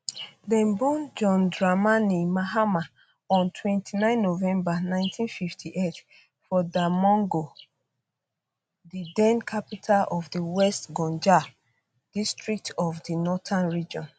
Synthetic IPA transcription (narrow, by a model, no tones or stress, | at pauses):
dɛ̃nbɔ̃nd͡ʒɔ̃ndɹamanimaɦama | ɔ̃ntʰwɛ̃ntʰinãɪ̃nːovɛ̃mbanãɪ̃ntʰĩnfiftʰiʔet | fɔdamɔ̃ŋɡo | didɛ̃nkʰapitʰalɔvdiwɛstɡɔ̃nd͡ʒa | d̥istɹik̚tɔvdinɔtãnɹid͡ʒɔ̃n